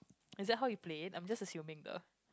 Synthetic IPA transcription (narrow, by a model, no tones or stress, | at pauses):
ɪzdɛt̚ɦawjupletãj̃md͡ʒasəsjũmɪ̃ŋdo̰